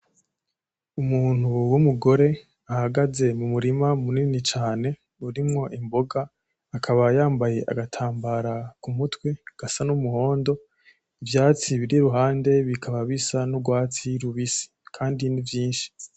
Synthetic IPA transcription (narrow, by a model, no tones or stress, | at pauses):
umuːn̥uwumuɡo̞ɾe̞ | ahaɡaze̞mumuɾimamuninit͡ʃaːne̞ | uɾimŋo̞ʔimbo̞ɡaː | kʰaβajaːmbaje̞ʔa̰ɡatʰaːmbaɾakumutweɡ̥asanumuho̞ːndo̞ | ivjaːt͡siβiɾiɾuɦaːnde̞βikʰaβaβisanuɡwaːt͡siɾuβisi̥kʰaːndinivjiːnʃi̥